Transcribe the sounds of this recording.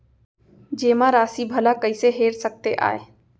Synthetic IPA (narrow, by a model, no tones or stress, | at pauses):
d͡ʒeːmãɾaːsibʱəlakəɪseɦeːɾsək̚t̪eʔa̰ːe